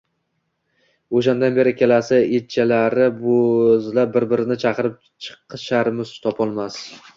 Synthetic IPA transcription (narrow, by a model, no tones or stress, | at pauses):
oʃ̬and̪anbe̞ɾɪkʲe̞lasaet͡ʃʰalaɾɪbozlap̚bɪɾbɪɾɪnɪt͡ʃʰaqɨɾɪp̚ | t͡ʃʰɨ̥qʰːɨʃaɾmɪzt̪ʰɒpʰɒlˠmas